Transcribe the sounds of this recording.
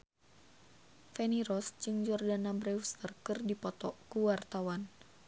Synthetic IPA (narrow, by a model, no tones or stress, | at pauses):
fɛniɾɔsd͡ʒɨŋd͡ʒɔrdanabɾɛwst̪ərkɨrdipɔt̪ɔkuwart̪awan